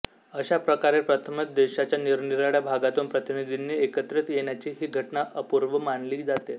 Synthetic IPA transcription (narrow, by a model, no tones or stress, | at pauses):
əɕapɾəkaɾepɾət̪ʰəmət̪̚d̪eɕat͡ɕjaniɾniɾaɽjabʱaɡat̪uːnpɾət̪inid̪ʱinːiːekət̪ɾət̪jeɳ̃jat͡ɕiːɦiːɡʱəʈnaʔəpuɾʋəmanliːk̚d͡zat̪e